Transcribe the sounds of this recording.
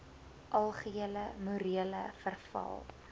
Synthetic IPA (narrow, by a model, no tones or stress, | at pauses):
ʔɐlˠχəiələmuɾiələfərfɐ̰lˠ